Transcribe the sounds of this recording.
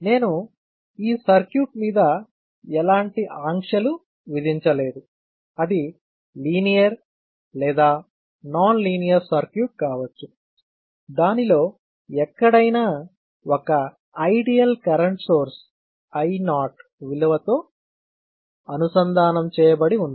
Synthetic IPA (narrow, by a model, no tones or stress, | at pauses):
ne̞ːnu | iːsɐɾkjuːʈmiːd̪ɐ | ɛlaːɳʈiʔaːŋkʂɐlu | ʋid̪ʱiɲt͡ʃɐle̞ːd̪u | ɐd̪i | liːnijɐɾ | lɛːd̪aː | naːnliːnijɐɾsɐɾkjuːʈ̚kaːʋɐt͡ʃːu | d̪aːnilo̞ː | ɛkːɐɽɐjnaː | ɔkɐ | ɐjɖijɐlkɐɾɐɳʈso̞ːɾs | ɐjnaːʈʋilɐʋɐt̪o̞ː | ɐnusɐnd̪ʱaːnɐmt͡ʃɛːjɐbɐɽiund̪ɐ